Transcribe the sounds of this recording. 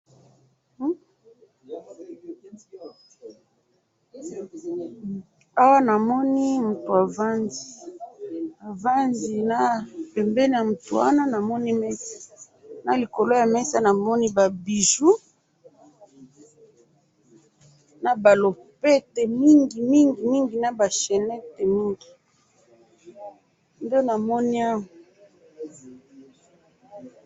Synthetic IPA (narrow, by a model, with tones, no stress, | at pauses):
a˦wa˦na˨mɔ˦ni˦mu˨to˨a˨va˦nzi˨ | a˨va˦nzi˨na˦pɛ˨mbɛ˦ni˨ja˨mu˨to˨wa̰˦na˦na˨mɔ˦ni˦mɛ˦sḁ˨ | na˨li˨ko˨lo˦ja˨mɛ˦sa˦na˨mɔ˦ni˦ba˨bi˨ʒu˦ | na˨ba˨lo˨pɛ˦te˨mi˦ŋɡi˨mi˦ŋɡi˨mi˦ŋɡi˨na˦ba˨ʃɛ˨nɛ˦te˨mi˦ŋɡi˨ | nde˦na˨mɔ˦ni˦a˦mu˨